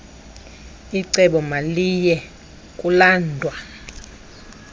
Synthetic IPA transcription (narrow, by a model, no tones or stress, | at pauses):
iǀɛɓɔmalijɛ | kʼulaːndʱwa